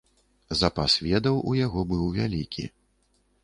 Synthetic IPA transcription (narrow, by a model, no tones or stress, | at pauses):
zapasvʲɛd̪ɐwʔujaɣɔbɨwvʲalʲikʲḭ